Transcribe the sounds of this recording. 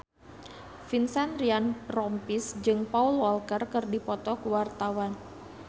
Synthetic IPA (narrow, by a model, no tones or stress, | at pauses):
finsanɾianrɔmpisd͡ʒɨŋpaulwɔlkərkɨrdipɔt̪ɔkəwart̪awan